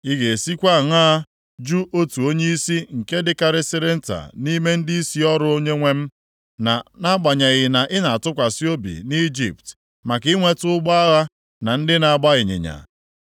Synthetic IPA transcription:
i˦ɣe˨si˦kʷa˦˨ŋaː˦ | d͡ʒu˦ʔo˦tu˨o˦ɲe˦i˦si˦ŋ̩˨ke˦dɪ˦ka˨ɾɪ˦sɪ˦ɾɪ˦n̩˦ta̰˨ni˦me˦n̩˦di˦i˦si˦ɔ˦ɾʊ˦o˦ɲe˦ŋʷe˦m̩˦ | na˨na˦ɡ͡ba˨ɲa˨ɣɪ˨na˨ʔɪ˦na˨a˨tʊ˦kʷa˨si˦o˦bḭ˨ni˦d͡ʒḭ˨p̚t | ma˨kɪ˦ŋʷe˦tʊ˦ʊ˦ɡ͡ba˦a˦ɣa˦ | na˨n̩˦dɪ˦na˨a˨ɡ͡ba˦ɣɪ˨ɲɪ̰˨ɲa̰˨

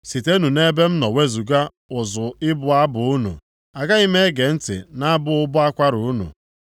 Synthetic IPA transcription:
si˨te˦nu˨ne˦be˦m̩˦nɔ˨we˦zu˨ɡa˦ | ʊ˨zʊ˨ɪ˦bʊ˨a˦bʊ˨u˦nṵ˨ | a˨ɡa˦i˦me˦ɡe˨n̩˦tɪ̰˨na˦a˦bʊ˦ʊ˦bʊ˦a˦kʷa˦ɾu˨u˦nṵ˨

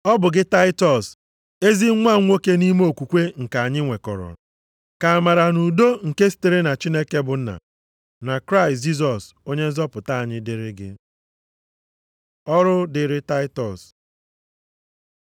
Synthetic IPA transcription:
ɔ˦bʊ˨ɡɪ˦ta˦ɪ˦tɔ˨s | e˦zi˦ŋʷa˦ŋʷo˦ke˦ni˦m˦o˦˨kʷu˨kʷe˦ŋ̩˨ka˨a˨ɲɪ˦ŋʷe˨kɔ˨ɾɔ̰˨ | ka˨a˨ma˨ɾa˨nu˨do˦ŋ̩˨ke˦si̥˦te˨ɾe˦na˨t͡ʃi˦ne˦ke˦bʊ˨n̩˦na̰˨ | na˨kɾa˦ɪ˨std͡ʒi˦s̬ɔ˨s | o˦ɲe˦n̩˦zɔ˦pʊ˨ta˦a˨ɲɪ˦dɪ˦ɾɪ˦ɡɪ̰˦ | ɔ˦ɾʊ˦dɪ˨ɾɪ˦ta˦ɪ˦tɔ˨s

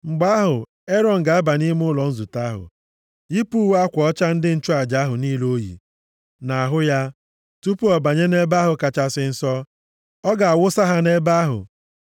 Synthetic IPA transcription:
ŋ͡m̩˨ɡ͡ba˦ɦʊ˨ | e˦ɾɔ˨ŋ̩˨ɡa˨a˦ba˨ni˦m˦ʊ˦lɔ˨n̩˦zu˨ta˦ɦʊ̰˨ | i˦pu˦wa˦kʷɔ˦t͡ʃa˦n̩˦dɪ˦n̩˦t͡ʃu˦a˨d͡ʒa˨˦ɦʊ˨niː˦lo˦jḭ˨ | na˨a˨ɦʊ˦ja˦ | tu˦pu˦ɔ˨ba˨ɲe˦ne˦ba˦ɦʊ˨ka˨t͡ʃa˦sɪ˦n̩˦sɔ˦ | ɔ˦ɡa˨a˨wʊ˦sa˦ɦa˦ne˦ba˦ɦʊ̰˨

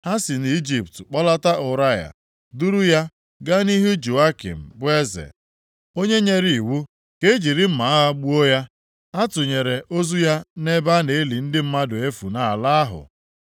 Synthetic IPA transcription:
ha˦sɪ˨n˨i˦d͡ʒi˨ptk͡pɔ˦la˦ta˦ʔʊ˨ɾa˦ja̰˨ | du˦ɾu˦ja˦ | ɡa˦ni˦ɦʊ˦d͡ʒu˨a˦kḭ˨m̩˨bʊ˦e˦zḛ˨ | o˦ɲe˦ɲe˦ɾi˨i˨wu˦ | ke˦d͡ʒi˨ɾɪ˦m̩˦ma˨a˦ɣa˦ɡ͡bu˦o˦ja˦ | a˦tʊ˨ɲe˨ɾe˨ʔo˦zu˦ja˦ne˦ba˦ne˨˦li˨n̩˦dɪ˦m̩˦ma˦dʊ˨e˦fu˨na˨la˦a˦ɦʊ̰˨

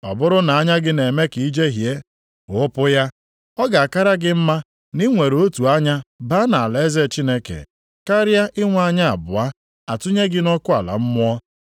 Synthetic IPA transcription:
ɔ˨bʊ˦ɾʊ˦na˨a˦ɲa˦ɡɪ˦ne˨me˦ki˨i˦d͡ʒe˦ɦje˦ | ʊ˨˦pʊ˦ja˦ | ɔ˦ɡa˨a˨ka˦ɾa˦ɡɪ˦m̩˦ma˦ | ni˦ŋʷe˨ɾo˦tu˨a˦ɲa˦ba˦na˨a˨le˨˦ze˦t͡ʃi˦ne˦kḛ˨ | ka˦ɾja˦ʔɪ˦ŋʷ˦a˦ɲa˦a̰˨bʊ̰˨a˦ | a˨tu˦ɲe˦ɡɪ˦nɔ˦kʊ˦a˨la̰˨m̩˦mʊ˦ɔ˦

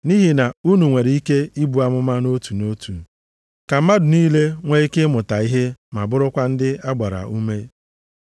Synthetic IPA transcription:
ni˦ɦi˨na˨u˦nu˨ŋʷe˨ɾi˦ke˦i˦bu˨a˨mʊ˦ma˦no˦tu˨no˦tṵ˨ | ka˨m̩˦ma˦dʊ˨niː˦le˦ŋʷe˦i˦ke˦mʊ˨ta˨i˦ɦe˦ma˨bʊ˦ɾʊ˦kʷa˦n̩˦dɪ˦a˦ɡ͡ba˨ɾa̰˨u˦me˦

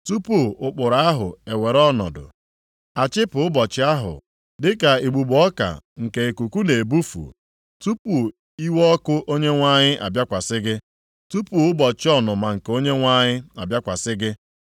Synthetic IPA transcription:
tu˦pu˦˨ʊ˨k͡pʊ˨ɾa˦a˦ɦʊ̰˨e˨we˨ɾɔ˦nɔ̰˨dʊ̰˨ | a˨t͡ʃɪ˦pʊ˨ʊ˦bɔ˨t͡ʃɪ˦a˦ɦʊ̰˨ | dɪ˦ka˨e˨ɡ͡bu˨ɡ͡bɔ˦ka̰˨ŋ̩˨ke˨e˨ku˨ku˦ne˨e˨bu˦fṵ˨ | tu˦pu˨ | i˦wɔ˦ɔ˦kʊ˦ʔo˦ɲe˦ŋʷa˦ɲɪ˦ʔa̰˨bja˦kʷa˨sɪ˦ɡɪ˦ | tu˦pu˦˨ʊ˦bɔ˨t͡ʃɪ˦ɔ˦nʊ˨ma˨ŋ̩˨ko˦ɲe˦ŋʷa˦ɲɪ˦a˨bja˦kʷa˨sɪ˦ɡɪ˦

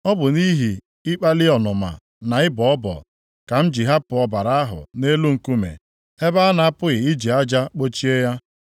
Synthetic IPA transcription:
ɔ˦bʊ˨ni˦ɦi˨ | ɪ˦k͡pa˦lɪ˦ɔ˨nʊ˨ma̰˨ | na˨ɪ˦bɔ˨ɔ˦bɔ̰˨ | ka˨m̩˦d͡ʒi˨ɦa˦pʊ˨ɔ˦ba˨ɾa˦a˦ɦʊ̰˨ne˦lu˦ŋ̩˨ku˦mḛ˨ | e˦ba˦na˨a˦pʊ˦ɣɪ˨ɪ˦d͡ʒi˨a˦d͡ʒa˦k͡po˦t͡ʃi˦e˦ja˦

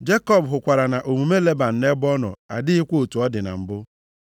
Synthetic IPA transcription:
d͡ʒe˦kɔ˦˨bɦʊ˨kʷa˨ɾa˨na˨ʔo˨mu˨me˦le˦ba˨n̩˨ne˦bɔ˦nɔ̰˨a̰˨dɪ˦ɪ˦kʷo˦o˨tu˨ɔ˦dɪ˨na̰˨m̩˨bʊ˦

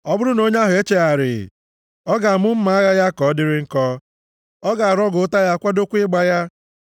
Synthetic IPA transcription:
ɔ˦bʊ˦ɾʊ˦no˦ɲ˦a˦ɦʊ˨e˦t͡ʃe˨a˨ɾɪ̰˨ | ɔ˦ɡa˨a˨mʊ˦m̩˦ma˨˦a˦ɣa˦ja˦kɔ˨˦dɪ˦ɾɪ˦ŋ̩˦kɔ˦ | ɔ˦ɡa˨a˨ɾɔ˦ɡʊ˨˦ta˦ja˦kʷa˦do˦kʷɪ˦ɡ͡ba˦ja˦

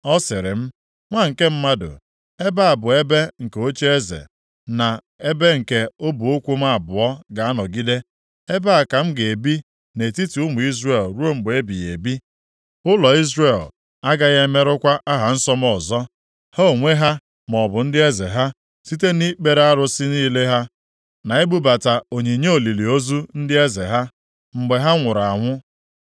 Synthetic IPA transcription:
ɔ˦sɪ˨ɾɪ̰˨m̩˦ | ŋʷa˦˨ŋ̩˨ke˦m̩˦ma˦dʊ̰˨ | e˦ba˦a˨bʊ˨e˦be˦ŋ̩˨ke˨o˦t͡ʃe˦e˦zḛ˨ | na˨ | e˦be˦ŋ̩˨ke˦o˦bu˨o˦kʷu˦ma˦a˨bʊ˨ɔ˦ɡa˨a˦nɔ˨ɡi˦de˦ | e˦ba˦a˨ka˨m̩˦ɡe˨bi˦ | ne˨ti˦ti˨ʊ˦mʊ˨i˦zre˦˨lɾu˦o˦m̩˦ɡ͡be˦bi˨je˨bi˦ | ʊ˦lɔ˨i˦zɾe˨l | a˦ɡa˦ɣe˦me˦ɾʊ˦kʷa˦ʔa˦ɦa˨n̩˦sɔ˦mɔ˨zɔ˦ | ha˦o˨ŋʷe˦ɦa˦ | mɔ˨bʊ˨n̩˦dɪ˦e˦ze˨ɦa˦ | si˦t̬e˦ni˦k͡pe˨ɾa˦ɾʊ˦sɪ˦niː˦le˦ɦa˦ | na˨e˦bu˦ba˨ta˨o˨ɲe˨ɲe˦o˨li˨li˨o˦zu˦n̩˦dɪ˦e˦ze˨ɦa˦ | m̩˨ɡ͡be˨ɦa˦ŋʷʊ˨ɾa˨ŋʷʊ˦

